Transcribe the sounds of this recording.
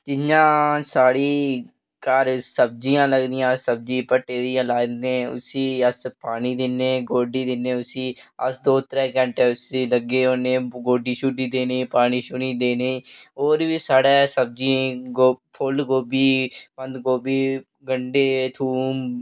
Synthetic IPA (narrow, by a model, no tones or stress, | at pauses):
t͡ʃɪɲãːsaːɽiː | kəɾsəb̚d͡ʒijãːləɡd̪ɪjãːsəb̚d͡ʒĩːpəʈːeːd̪ijãːlaːɡ̪ẽːʊ̰siːəspaːniːd̪ɪnːeːɡoːɖiːd̪ɪnːeːʊsiːəsd̪oːt̪ɾɛːkə̃ɳʈeːʊsiːləɡeːoːnẽːɡoːɖiːʃʊɖiːd̪eːneiːpaːñiːʃʊniːd̪eːneiːoːɾʋiːsaːɽɛːsəb̚d͡ʒiẽɡopʰʊlɡoːbiːpə̃nd̪ɡoːbiː | ɡəɳɖeːt̪ʰuːm